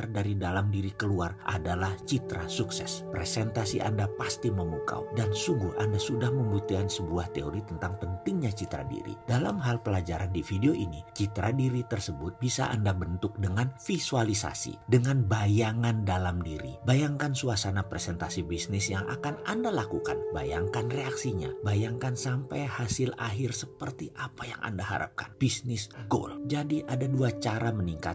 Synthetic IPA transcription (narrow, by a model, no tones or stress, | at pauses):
rdaɾidalamdiɾikəluarʔa̰dalaht͡ʃit̪ɾasuksɛ̰spɾesɛnt̪asiʔa̰ndapast̪iməmuka̰wdansuŋɡʊhʔandasudahməmbut̪ukansəbuaht̪eo̰ɾit̪ənt̪aŋpənt̪ɪŋɲat͡ʃit̪ɾa̰dḭɾḭd̥alamɦalpəlad͡ʒaɾandifideoʔinit͡ʃit̪ɾadiɾit̪ərsəbʊt̪̚bisa̰ʔa̰ndabənt̪ʊk̚dəŋanfisualisa̰sḭdəŋanbajaŋandalamdiɾḭbajaŋkansuasanapɾesɛnt̪asibisnɪsjaŋʔa̰kanandalakuka̰nbajaŋkanreaksiɲa̰bajaŋkansampajhasɪlaɦɪrsəpərt̪iʔapaja̰ŋʔa̰ndaɦa̰ɾa̰p̚ka̰nb̥isnɪsɡo̰ld͡ʒadiʔadaduat͡ʃaɾaməniŋka̰t̪